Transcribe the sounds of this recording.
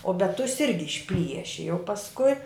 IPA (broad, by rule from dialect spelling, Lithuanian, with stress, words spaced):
oː bʲɛt tʊs ˈɪrʲɡʲɪ ɪʃʲˈpʲlʲiɛʃʲɪ jɛʊ pɐsˈkʊɪ